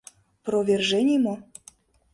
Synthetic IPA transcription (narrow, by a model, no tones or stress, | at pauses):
provʲerʒenʲimo